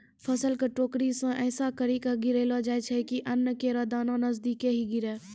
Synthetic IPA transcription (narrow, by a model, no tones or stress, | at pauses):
pʰəsəlkəʈoːkɾisõʔɛːsakəɾikaɡɪɾeːlad͡ʒaːet͡ʃʰɛkiʔɐnːəkeɾad̪aːnãnɐzd̪iːkeɦiɡɪɾɛː